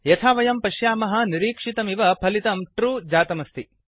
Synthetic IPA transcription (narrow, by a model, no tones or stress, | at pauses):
jɐt̪ʰaːʋɐjɐmpɐʃjaːmɐɦɐ̆niɾiːkʂit̪ɐmiʋɐpʰɐlit̪ɐmʈɾuːd͡ʒaːt̪ɐmɐst̪ʰi